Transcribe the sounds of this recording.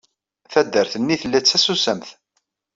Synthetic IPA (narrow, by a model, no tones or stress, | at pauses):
θæd̪ːəɾθənːiθəlːæt͡sːæsusəmθ